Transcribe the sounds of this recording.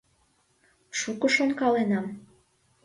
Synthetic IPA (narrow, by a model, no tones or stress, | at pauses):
ʃukŏʃonkɑlenɑm